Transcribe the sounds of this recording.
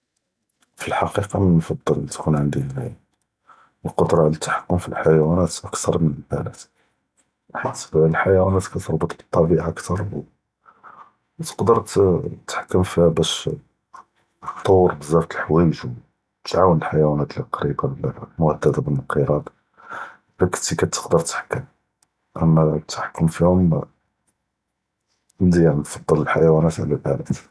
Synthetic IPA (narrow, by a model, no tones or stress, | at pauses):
filħɑqiqɑmənfɑd̪ˤːəlt̪kunʕənd̪i | lqod̪ɾˤɑlt̪ħḁkːʊmfilħajwænæt̪ʔəkt̪ɑɾˤmənəlbælæt̪ | ħit̪sbəblħajæwænæt̪kæt̪əɾˤbət̪ˤbə̥t̪ˤːɑbiʔʔəkt̪ɑɾˤw | t̪ə̥qd̪əɾˤt̪t̪ːħḁkːəmfihbæʃ | t̪ˤːɑwːəɾbəzːɑɾt̪əlħwæjʒu | t̪ʕawənəlħajwænæt̪lqɑɾibalmʊhəd̪ːæd̪abənqəɾˤɑd̪ | bækə̥t̪ikæt̪ːə̥qd̪əɾˤt̪ħḁkːəm | ʔæmːæt̪ːħkːʊmfihʊm | nd̪iʕnfɑd̪ˤːələlħajæwænæt̪ʕlælʔælæt̪